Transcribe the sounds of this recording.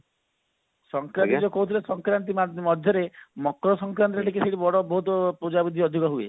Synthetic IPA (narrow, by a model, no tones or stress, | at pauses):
sɔŋkɾant̪id͡ʒokoɦut̪ʰilesɔŋkɾant̪̬imamɔd̪ʱjɔɾemɔkɾɔsɔŋkɾant̪̬ɾeʈikeseʈibɔɽɔbɔɦut̪ɔpɾud͡ʒabid̪ʱiɔd̪ʱikɔɦuḛ